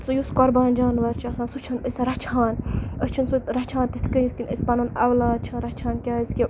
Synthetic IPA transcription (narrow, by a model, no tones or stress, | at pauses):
sujuskɔɾbaːnʲd͡ʒaːnʋɐɾt͡ʃʰiɐsaːnsut͡ʃʰɐnəsɐɾɐt͡ʃʰaːnət͡ʃʰɐnsuɾɐt͡ʃʰãːnt̪it̪ʰkɐikinʲɐ̰sʲpɐnunɐʋlaːd̪̚t͡ʃʰɐnɾɐt͡ʃʰaːnkʲaːizkʲi